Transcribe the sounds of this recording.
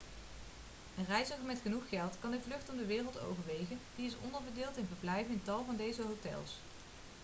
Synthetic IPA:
rɛjzəɣəɹmɛtχənuχχɛlˠtkɑndəvlɵχtɔndəʋɪːrəlˠto̰wvəɹʋejχənd̥iɪsɔ̰ndəɹbədɪːlˠtɪnvəɹblɛjvənɪntɑlˠvɑndejzəɦowtɛ̰lˠs

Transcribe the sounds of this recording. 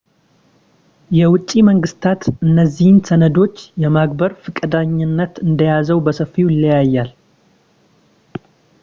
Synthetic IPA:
jɛwʊt͡ʃʼːiməŋɡɨst̪ʰat̪ɨnːəzːihɨnsənəd̪o̞t͡ʃːjɛmaɡ̚bəɾfɨkʼəd̪aɲːɪnːət̪ɨnd̪əjazəwbəsəfːiwɨlːijajːal

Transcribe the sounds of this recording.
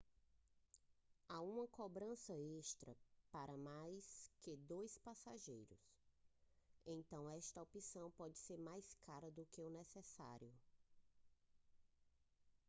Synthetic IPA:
aũmɐkobɾɐ̃sɐest̪ɾɐpaɾɐmajsked̪ojspasaʒejɾʊ̰s | ẽt̪ɐ̃w̃ɛʃt̪ɐopisɐ̃w̃pɔd͡ʒɪseɾmajskaɾɐd̪ʊkeʊnɛsɛsa̰ɾjʊ

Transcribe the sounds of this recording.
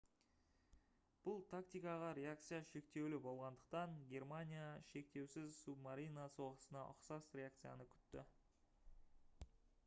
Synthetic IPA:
b̥ʊlˠt̪ʰakt̪ijkɑʁɑɾʲe̞akt̪sɨjaʃe̞kt̪e̞wlɪbo̞lˠʁɑnd̪əq̚t̪ɑŋɡʲe̞rmanʲijaʃe̞k̚t̪e̞wsɪzsubmaɾinaso̞ʁəsənɑʔʊ̰qsɑsɾʲe̞ak̚t̪sɨja̰nəkʲʰʏ̥t̪ːɪ̰

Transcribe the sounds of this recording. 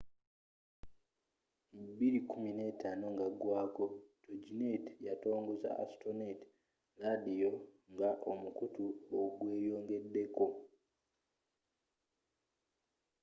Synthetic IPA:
mbiɾikumine̞ːtaːno̞ŋɡaɡwaːko̞toɟinetjato̞ːŋɡoza̰a̰stonet | ɾadijo̞ | ŋɡaʔomukutuoɡweːjo̞ːŋɡe̞dːe̞ko̞

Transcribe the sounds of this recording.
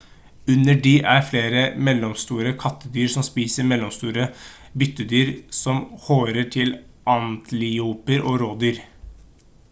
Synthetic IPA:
ʉnəɖiːʔæɾfleːɾəmɛlːɔmst̪uːɾəkʰɑt̪ːəd̪yːɾsɔmspiːsəɾmɛlɔmst̪uːɾə | bʏt̪ːəd̪yːɾsɔmhoːɾəʈʰɪlʔɑnt̪ʰlɪuːpəɾʔoːɾoːd̪yːɾ

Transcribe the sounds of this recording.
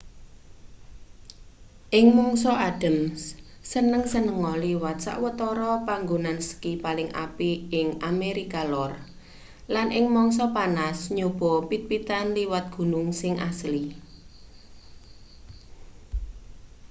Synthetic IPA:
ʔɪŋmɔŋsɔad̥ə̤mssənəŋsənəŋɔliwat̪sa̰ʔwət̪ɔɾɔpaŋɡonansə̥kipalɪŋa̰piɪŋameɾikalɔr | lanʔɪŋmɔŋsɔpanasɲob̥ɔ̤pit̪̚pit̪anliwat̪̚ɡ̥ṳnʊŋsɪŋʔa̰sli

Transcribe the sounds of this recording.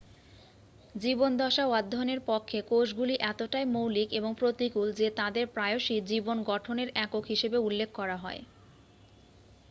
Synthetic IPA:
d͡ʑibond̪ʱɔʃawad̪ʱːoneɾpɔkʰːekoʃɡuliʔɛt̪oʈajmowlikeboŋpɾot̪ikuld͡ʑet̪ad̪eɾpɾaeoʃid͡ʑibonɡɔʈʰoneɾɛkokɦiʃebeulːekʰːɔɾaɦɔe

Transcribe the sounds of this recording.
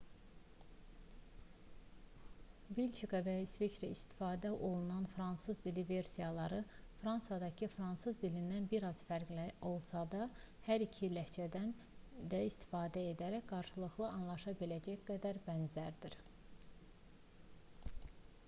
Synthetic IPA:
bilʲt͡ʃʰikɑvæsvit͡ʃɾiist̪i̥fɑːd̪æʔo̞lˠunɑnfɾɑnsɯzd̪ilive̞ɾsijɑlˠɑɾɯfɾɑnsjɑd̪ɑcʰifɾɑnsɯzd̪ilind̪ænbiɾɑz̥fæɾɡlæo̞lˠsɑd̪ɑ | hæɾicʰilæht͡ʃʰæd̪æn | d̪æist̪i̥fɑːd̪æe̞d̪æɾæçɡɑɾʃɯlˠɯχlˠɯɑnlˠɑʃɑbilæd͡ʒæçɡæd̪æɾbænzæɾd̪iɾ

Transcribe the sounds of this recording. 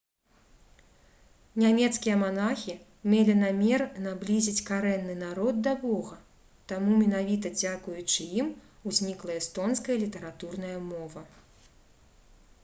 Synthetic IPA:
nʲamʲɛt̪skʲijɐmanaxʲi | mʲelʲinamʲɛrnablʲizʲit͡sʲkaɾɛnːɨnaɾɔd̪̚d̪ɐbɔɣɐ | t̪amumʲɛnavʲit̪̬ɐd͡zʲakujut͡ʂɨjimuzʲnʲiklˠɐɛst̪ɔnskɐjɐlʲit̪ɐɾat̪urnɐjɐmɔvɐ

